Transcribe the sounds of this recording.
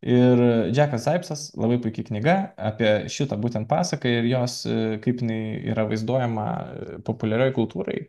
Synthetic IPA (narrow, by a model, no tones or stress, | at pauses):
ɪrd͡ʒʲæːkɐsd̪ɐɪpsɐslˠɐbɐɪpʊɪkʲɪknʲɪɡɐɑpʲiɛʃʲɪt̪ɐbuːt̪ʲɛnt̪̚pɑːsɐkɐɪɾjoːskɐɪpjɪnɐɪḭːɾɐʋɐɪzd̪uɔjɛmɐ̰popʊlʲɛɾʲoːjkʊlˠt̪uːɾɐ̰ɪ